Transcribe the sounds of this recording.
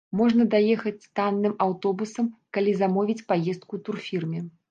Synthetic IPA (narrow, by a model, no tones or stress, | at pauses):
mɔʐnɐd̪ajɛxɐt͡sʲst̪anːɨmawt̪ɔbusɐmkalʲizamɔvʲit͡sʲpajɛst̪̚kut̪urfʲirmʲɛ